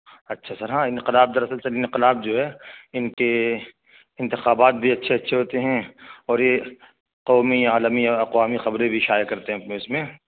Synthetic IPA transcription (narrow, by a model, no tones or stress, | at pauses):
ɐtːʃʰasɐɾɦãːɪ̃nqɪlaːb̚d̪ɐɾɐsəlsɐɾɪ̃nqɪlaːb̚d͡ʒoːɦɛːɪnke | ɪ̃nt̪ɪxaːbaːt̪̚bʱiɐtːʃʰeɐtːʃʰeɦoːt̪eɦɛ̃ɔːɾje | qɔːmijaːləmijaɐqwaːmixɐbɾẽbʱiʃaːjakɐɾt̪eɦɛ̃ɐpneʊsmẽː